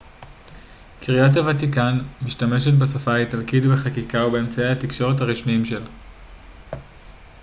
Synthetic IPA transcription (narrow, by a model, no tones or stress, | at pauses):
kʰiʁijat̬avatikanmiʃtame̞ʃetbesafaitalkidbeχakikaube̞emt͡sajehatikʃo̞ʁethaʁiʃmiimʃe̞l